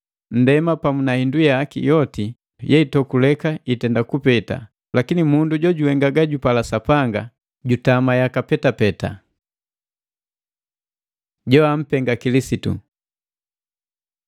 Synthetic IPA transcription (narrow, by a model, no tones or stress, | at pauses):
n̩dɛmapamunahindujakḭjɔti | jɛitɔkulɛkaitɛndakupɛta̰ | lakinimunduɟɔɟuhɛŋɡaɡaɟupalasapaŋɡa | ɟutamajakapɛtapɛta̰ | ɟɔam̩pɛŋɡakilisitṵ